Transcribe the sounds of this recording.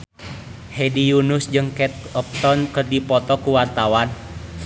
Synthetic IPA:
hedijunʊsd͡ʒɨŋkɛt̪̚ɔp̚t̪ɔnkɨrdipɔt̪ɔkuwart̪awan

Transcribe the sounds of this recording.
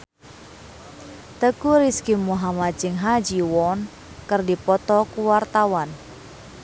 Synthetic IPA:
t̪əkuɾiskimuɦamad͡ʒɪŋɦad͡ʒiwɔn | kərdipɔt̪ɔkuwart̪awan

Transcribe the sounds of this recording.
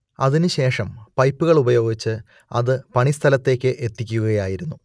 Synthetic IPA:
ɐðinɨɕe̞ːʂɐmpɐjpːuɣɐɭubɐjo̞ːɡit͡ɕːɨ | ɐðɨpɐɳist̪ʰɐlɐt̪ːe̞ːkʲːɨʔe̞t̪ːikʲːuɣɐjaːjiɾunːu

